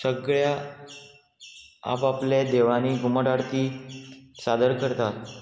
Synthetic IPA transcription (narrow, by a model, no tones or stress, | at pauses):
səɡɭja | a̰papled̪eʋaniːɡuməʈaɽt̪iː | sad̪əɾkəɾt̪at̪̚